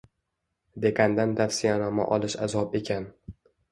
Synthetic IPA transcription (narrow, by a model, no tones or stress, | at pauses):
d̪e̞kʰand̪ant̪ʰafsɪjanɒma̰ʔɒlˠɪʃazɒpe̞kʲʰan